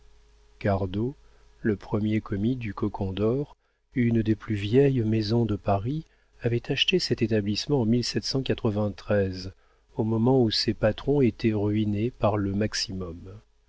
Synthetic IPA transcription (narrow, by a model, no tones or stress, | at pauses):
kaʁd̪o | ləpχəmjekɔmid̪ykɔkʰɔ̃d̪ɔʁ | ynd̪eplyvjɛjmezɔ̃d̪əpaʁi | avɛt̪aʃt̪esɛt̪et̪ablismɑ̃ɑ̃milsɛt̪sɑ̃kat̪χəvɛ̃t̪χɛz | omɔmɑ̃usepat̪χɔ̃et̪ʰɛʁɥinepaʁləmaksimɔm